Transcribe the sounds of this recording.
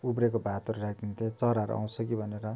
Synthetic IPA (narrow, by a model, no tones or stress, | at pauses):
upɾekobʱat̪oɾurakʰd̪int̪ʰet͡sʌɾaɾṵʔa̰w̃sʰʌkibʱʌneɾʌ